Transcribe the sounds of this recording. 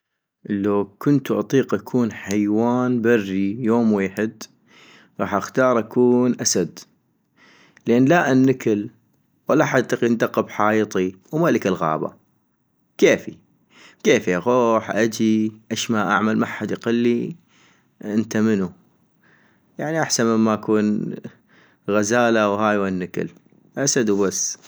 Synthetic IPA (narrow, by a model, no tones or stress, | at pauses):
laːkʊnt̪uʔɑt̪ˤiːqʔakʰuːnħajwaːnbarːijoːmweːħɪd̪ | ɣɑːħʔaxt̪ɑːɾˤʔakuːnʔasad̪ | lʔeːnlaʔanːɪkɪl | walːaħat̪ːɑqind̪aqːɪbħaːjt̪ˤi | wmaləkɪlɣa̰ːba̰ | keːfi | keːfiaɣoːħʔad͡ʒiʔeʃmaʔa̰ʕmalmaħːad̪ʔqalːi | ʔɪnt̪amənu | jaʕniʔaħsanməɪmːaʔakuːn | ɣazaːlawhaːjwanːəkɪ̰l | ʔasad̪wbasː